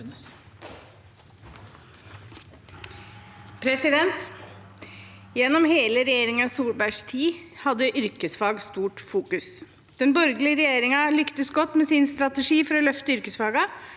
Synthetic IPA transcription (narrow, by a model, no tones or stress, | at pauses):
pʰɾɛsɪd̪ɛnt̪ | jɛnːɔmheːləɾɛjeːɾɪŋɑsuːlbæʂt̪ʰiːhɑd̪ːəʔʏɾkəsfɑːɡst̪uːʈfuːkʉs | d̪̥ɛnbɔɾɡlɪəɾɛjeːɾɪŋɑlʏkt̪əsɡɔt̪ːmɛsɪnst̪ɾɑt̪ɛʂiːfɔɾɔlœft̪əʏɾkəsfɑːɡɑ